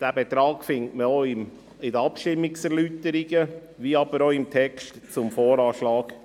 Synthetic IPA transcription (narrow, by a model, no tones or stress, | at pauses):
d̥æːbɛt̪ɾɑːɡ̥fɪŋtməoɪm | ɪdəɑpʃtɪmːɪksɛɾlyːtəɾiɡə | ʋiːɑb̥əɾoɪmt̪ʰɛkstt͡sʊmfoːɾɑːʃlɑːɡ̥